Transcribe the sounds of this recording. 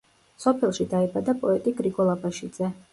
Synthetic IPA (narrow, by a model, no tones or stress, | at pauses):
sɔpʰɛlˠʃid̪aibad̪apʼɔɛt̪ʼiɡɾiɡɔlˠabaʃid̪z̥ɛ